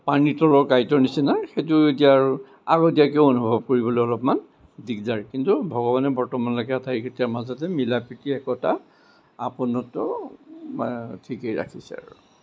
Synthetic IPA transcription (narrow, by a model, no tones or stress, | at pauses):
paɹnitɔlɔɹkajtɔnisinaxejtuetijaːɹu | aɡɔdijakeoonubʱɔb̚koɹibɔlojɔlɔpman | dikzaɹkintubʱɔɡɔbanɛbɔɹtɔmanlɔkɛatʰaikʰetiaɹmazɔtɛmilapitiɛkɔta | apunɔtɔ | tʰikejɹa̰kʰisɛ̰a̰ɹṵ